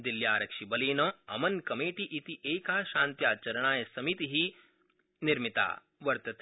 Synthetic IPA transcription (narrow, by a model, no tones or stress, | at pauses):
d̪iljaːɾɐkʃibɐleːnɐɐ̰mɐnkɐmeːʈiʔit̪iʔeːkaːʃaːnt̪jaːt͡ʃɐɾɐɳ̃aːjɐsɐmit̪iɦi | niɾmit̪a̰ː | ʋɐɾt̪ɐt̪